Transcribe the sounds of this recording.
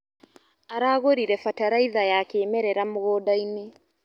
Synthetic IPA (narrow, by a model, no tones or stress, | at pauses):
aɾaːɣoɾiɾɛfataɾaiðajakeːmɛɾɛɾamoɣɔːdaine